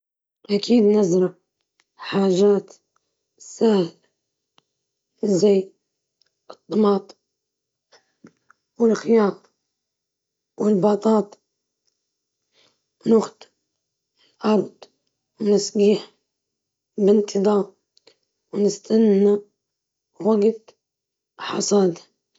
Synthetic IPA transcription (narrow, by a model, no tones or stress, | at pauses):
ʔakʰiːd̪nɪzɾɑʕ | ħaːʒaːt̪ | sːahl | zajː | ɨt̪ˤːɑmɑːt̪ˤ | wɪlxɪjɑːt̪ˤ | wɪlbɑːt̪ˤɑːt̪ˤ | nʊxt̪ | lʔɑɾˤd̪ˤ | wnɪsɡiːħ | bɪnt̪ʰɨðˤɑː | wnɪst̪ʰanːa | waɡt̪ | ħɑ̰sˤɑːd̪a